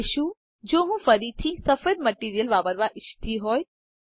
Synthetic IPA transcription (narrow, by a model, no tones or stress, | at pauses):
ʃu | d͡ʒoːɦũfəɾit̪ʰisɐfed̪məʈiːɾijəlʋaːpəɾʋaʔɪʃt̪ʰiɦoːj